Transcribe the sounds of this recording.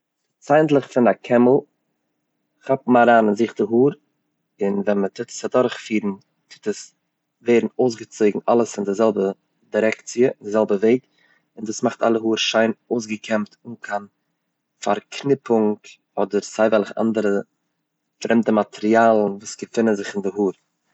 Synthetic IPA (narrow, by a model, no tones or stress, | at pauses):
saɪəntlˠəχfɪnakʰɛməl̩ˠ | χapm̩aɾaːnɪnziχtəɦuːɾ | ɪnvɛnmətʰɪtə̥sadɔɾχfiːɾn̩ | tʰɪ̥təs | veɪɾn̩oʊs̬ɡət͡soɪɡŋ̩ʔalˠəsɪndɪzɛlˠbə | diɾɛkt͡siəndɪzɛlˠbəveɪk | ɪnduːsmaχta̰lˠəɦuːɾʃaɪnoʊs̬ɡəkʰɛmtʊŋkʰan | faɾkʰnɪpʊŋk | ɔdəɾsaɪvɛlˠɪχa̰ndəɾə | fɾɛmtəmatʰɛɾiaːlˠn̩vuːsɡ̥əfɪnənzɪχɪndɪɦuːɾ